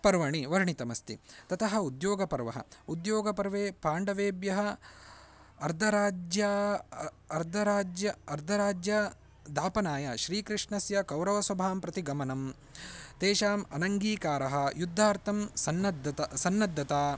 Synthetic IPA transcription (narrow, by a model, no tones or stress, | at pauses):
pɐɾʋɐɳiʋɐɾɳit̪ɐmɐst̪ḭt̪ɐt̪ʰɐɦɐud̪joːɡɐpɐɾʋɐɦɐ̰ud̪joːɡɐpɐɾʋeːpaːɳɖɐʋeːbjɐɦɐ | ɐɾd̪ʱɐɾaːd͡ʒja | ɐɾd̪ʱɐɾaːd͡ʒjɐɐɾd̪ʱɐɾaːd͡ʒjɐ | d̪ʱaːpɐnaːjɐʃɾiːkɾiʂɳɐsjɐkɐwɾɐʋɐsɐbʱaːmpɾɐt̪iɡɐmɐnɐm | t̪eːʃaːmɐnɐŋɡiːkaːɾɐɦɐjud̪ʱːaːɾt̪ʰɐmsɐnːɐd̪ɐt̪ɐsɐnːɐd̪ʱːɐt̪aː